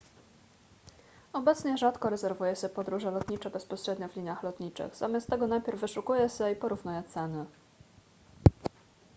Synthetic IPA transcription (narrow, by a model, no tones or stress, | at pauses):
ɔbɛt̪sɲɛʐat̪kɔɾɛzɛɾvujɛɕɛpɔd̪ɾuʐɛlɔt̪ɲʲit͡ʂɛbɛspɔɕɾɛd̪ɲɔvlʲiɲaxlɔt̪ɲit͡ʂɘ̰ɣz̥a̰mʲast̪ːɛɡɔnajpʲjɛɾvːɘʂukujɛɕɛipɔɾuvnujɛt̪sɛnɘ